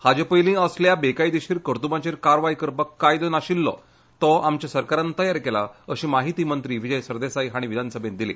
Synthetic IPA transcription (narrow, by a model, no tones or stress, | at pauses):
had͡ʑepəjlĩəsljabekajd̪iɕiːɾkəɾt̪ubãt͡ɕeɾkaɾʋajkəɾpəkːajd̪ənaɕilːɔ̰ | t̪ɔamt͡ɕasəɾkaɾant̪əjaɾkelaəɕiːmaɦit̪iːmənt̪ɾiːʋid͡ʑəjsəɾd̪esajɦaɽ̃iʋid̪ʱanəsəbʱẽnd̪ilḛ